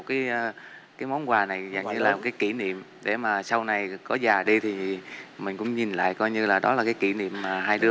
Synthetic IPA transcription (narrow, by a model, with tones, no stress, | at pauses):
t̚kaː˨˦jkaː˨˦jmɔ˨˦nkwaː˨˩na˨˩jzə̰˨˩ŋɲɨ˧laː˨˩mo˨˩kaː˨˦jki˧˩nḭ˧˨əm | ɗḛ˧˩maː˨˩sa˧wna˨˩jkɔ˨˦zaː˨˩ɗi˧t̪ʰi˨˩mï˨˩ŋ̟kʊ̰˧˥ŋ͡mɲi˨˩nla̰ː˧˨jkɔ˧jɲɨ˧laː˨˩ɗɔ˨˦laː˨˩kaː˨˦jki˧˩nḭ˧˨əmːaː˨˩ɦaː˧jɗɨ˧